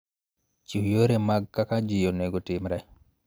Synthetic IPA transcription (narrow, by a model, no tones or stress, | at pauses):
t͡ʃujoɾemaɡ̚kakad͡ʒɪjonɛɡɔtɪmɾɛ